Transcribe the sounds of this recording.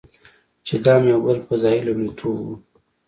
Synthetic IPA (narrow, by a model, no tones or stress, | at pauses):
t͡ʃed̪ɑmeawbəlpəzɑjilomet̪ʰoṵ